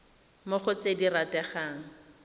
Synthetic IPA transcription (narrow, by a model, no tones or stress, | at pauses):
mʊχʊt͡sediratɛχaːŋ̩